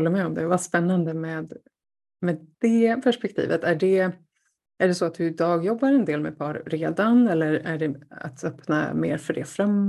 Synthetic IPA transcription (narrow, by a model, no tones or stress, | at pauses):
lːəɾmɛɔmd̪ɛvaspɛnːand̪əmɛːd̪ | mɛd̪d̪̥ɛpʰæʂpɛk̚t̪ʰḭːvət̪æɖɛ | ʔæɖɛsɔat̪̚d̪ɵɪd̪ɑːɡjɔbːaɾɛnd̪eːlmɛ̰d̪̚pʰɑːɾːeːd̪anɛlːəɾæ̰ɖɛa̰t̪ʰœpna̰mḛːɾfœɖɛfɾamː